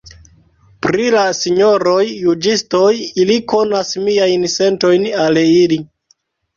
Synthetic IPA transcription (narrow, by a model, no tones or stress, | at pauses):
pɾilasiɲo̞ɾo̞jːud͡ʒisto̞jiliko̞nasmiajnse̞nto̞jnalili